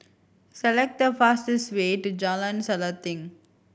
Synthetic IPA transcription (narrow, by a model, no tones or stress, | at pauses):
sɛlɛk̚ʈ̚d̪əfastɪsweːʈud͡ʒalə̃nsɛlət̪ɪ̃ŋ